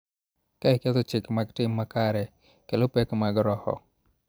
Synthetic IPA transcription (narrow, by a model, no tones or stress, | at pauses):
kaikɛt̪ot͡ʃɪkmaɡtɪmːakaɾɛ | kelopɛkmaɡɾɔhɔ̰